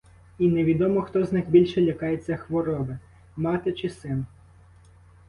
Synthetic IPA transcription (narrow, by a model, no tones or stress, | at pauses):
inɛʋʲid̪ɔmɔxt̪ɔznɪxbʲilʲʃɛlʲɐkɑjet͡sʲːɐxʋɔɾɔbɪ | mɑt̪ɪt͡ʃɪsɪn